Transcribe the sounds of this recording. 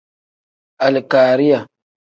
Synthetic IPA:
ʔa˨lkaː˨ɾi˦ja˨

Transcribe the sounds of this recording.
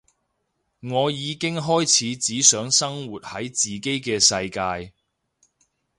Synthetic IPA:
ŋɔː˨˧jiː˨˧kɪ˥ŋɦɔː˥jt͡sʰiː˨˥t͡siː˨˥sœː˨˥ŋsɐ˥ŋwuː˨˩t̚hɐ˨˥jt͡siː˨ke˥jkɛː˧sɐ˧jkaː˧j

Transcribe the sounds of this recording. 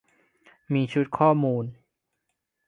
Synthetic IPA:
miː˧t͡ɕʰu˦˥t̪̚kʰɔː˥˩muː˧n

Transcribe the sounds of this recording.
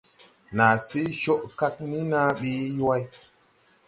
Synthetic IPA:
na˨se˦ʃo˦ʔka˦k̚ni˦na˦ɓe˦jwa˦j

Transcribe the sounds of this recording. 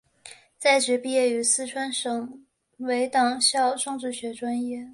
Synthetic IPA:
t͡sa˥˩ɪʈ͡ʂɻ̩˧˥pi˥˧jɛ˥˩y˧˥sɹ̩˥˧ʈ͡ʂʰwa˥nʂɤ˨˩ŋ | we˧˥ɪt̪ɑ˨˩ŋɕjɑ˥˧ʊʈ͡ʂɤ˥˧ŋʈ͡ʂɻ̩˥˩ɕɥɛ˧˥ʈ͡ʂwa˥njɛ˥˩

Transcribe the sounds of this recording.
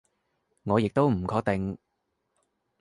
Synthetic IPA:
ŋɔː˨˧jɪ˨k̚t̪o˥wm̩˨˩kʰɔː˧k̚t̪ɪ˨ŋ

